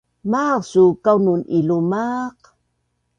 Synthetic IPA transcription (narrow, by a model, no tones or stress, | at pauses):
maqsukawnunilumaq